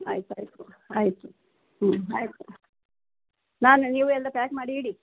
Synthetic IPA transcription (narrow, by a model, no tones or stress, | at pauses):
ɐ̰jit̪uɐ̰jt̪uɐjt̪u | ɐjt̪u | naːnuniːʋuɛlːɐpaːkmaːɽiiːɽi